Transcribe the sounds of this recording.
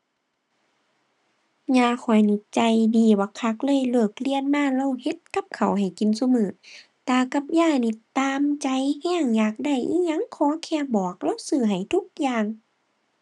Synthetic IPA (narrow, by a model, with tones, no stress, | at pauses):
ɲaː˧˩kʰɔ˨˩jni˧˩t͡ɕa˧jdiː˧˩waː˧˦kʰa˧˦k̚lɤː˧˥˨jlɤː˧˩k̚li˧˨ənmaː˧˨la˧˨whe˧˦t̪̚ka˧˥p̚kʰa˨˩wɦa˨˩jki˧˨nsu˧mɯː˧˩˦t̪aː˧˩ka˧p̚jaː˧˥˩ni˧˩t̪aː˧mt͡ɕa˧jhɛː˧˥˨ŋjaː˨˩k̚da˧˩jʔi˧˥ɲa˧˥˨ŋkʰɔː˨˦kʰɛː˧˥˨bɔː˨˩k̚la˧˥˨wsɯː˧˩ɦa˨˩jt̪ʰu˧˦k̚jaː˧˨ŋ